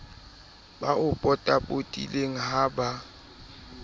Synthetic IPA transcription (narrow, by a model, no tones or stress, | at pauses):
baʔʊpʼɔtʼabʼotʼḭleŋ̩ɦaba